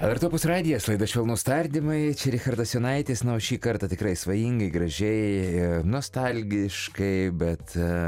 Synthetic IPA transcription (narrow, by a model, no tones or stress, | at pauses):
ɐlˠɐrt̪opʊsrɑːd̪ʲɪjɛslˠɐɪd̪ɐʃʲʋʲɛlˠnuːst̪ɐlʲd̪ʲɪmɐɪt͡ʃʲɛɾʲɪxɐrd̪ɐsjʲonɐɪt̪ʲeːsnɐʃʲiːkɐɾt̪ɐt̪ʲɪkɾɐɪsʋɐjiŋɡɐɪɡɾɐʒʲɛɪnuɔst̪ɑlʲɡʲɪʃkɐɪbʲɛt̪